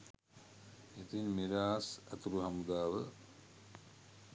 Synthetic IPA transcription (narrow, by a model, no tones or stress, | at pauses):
et̪inmiɾaːsæt̪uɾuɦamud̪aːʋə